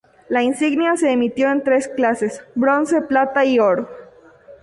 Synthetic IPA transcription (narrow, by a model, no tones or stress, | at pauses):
lainsiɣnjase̞ːmit̪jo̞ent̪ɾe̞sklase̞sbɾo̞nse̞plat̪aioɾo